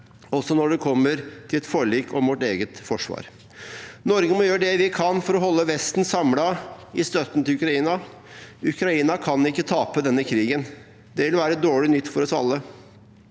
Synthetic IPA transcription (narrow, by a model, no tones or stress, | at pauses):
ɔsɔnɔɖɛkʰɔmːəɾt̪ʰɪlɛt̪fɔɭiːkʰːɔmʋɔʈeːɡət̪fɔʂʋɑ̰ːɾ | nɔɾɡəmɔjøːɾɖɛʋɪkʰɑnfɔɾɔɦɔlːəʋɛst̪n̩sɑmlɑɪst̪œt̪n̩t̪ɪlʉkɾɑiːnɑ | ʉkɾɑiːnɑkʰɑnɪkːət̪ʰɑːpəd̪ɛnːəkʰɾiːɡən | d̪ɛʋɪlʋæːɾəɛt̪̚d̪oːɭɪnʏt̪ːfɔɾɔsɑ̰lːə